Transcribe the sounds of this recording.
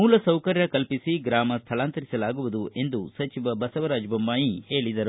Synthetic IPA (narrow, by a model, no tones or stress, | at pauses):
muːlɐsɐwkɐɾjɐkɐlpisiɡɾaːmɐst̪ʰɐlaːnt̪ɐɾisɐlaːɡuʋud̪ue̞nd̪usɐt͡ʃiʋɐbɐsɐʋɐɾaːd͡ʒbɐmbaːjihe̞ːɭid̪ɐɾu